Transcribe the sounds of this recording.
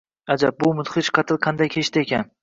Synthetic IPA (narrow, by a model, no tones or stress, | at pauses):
ad͡ʒab̚bʊmʊt̪χɪt͡ʃqʰɑt̪ʰɪlˠqʰɑnd̪ajkʲʰeʃt̪ʰɪekʲan